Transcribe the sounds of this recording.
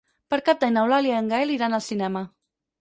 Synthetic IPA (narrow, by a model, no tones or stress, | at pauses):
pəɾkap̚d̪ajnawlaliaəŋɡaeliɾanəlˠsinɛmə